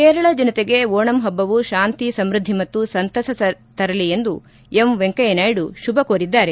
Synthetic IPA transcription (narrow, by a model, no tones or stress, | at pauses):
keːɾɐɭɐd͡ʒɐnɐt̪eɡe̞oːɳɐmɦɐbːɐʋuʃaːnt̪isɐmɾud̪ʱːimɐt̪ːusɐnt̪ɐsɐɐ | t̪ɐɾɐliend̪u | emʋeŋkɐjɐnaːjɽuʃubɐkoːɾid̪ːaːɾe̞